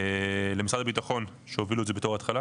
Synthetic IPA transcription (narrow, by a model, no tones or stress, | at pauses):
lemisʁad̪abitaχo̞n | ʃeoviluedzebet̪o̞χaːt̪χala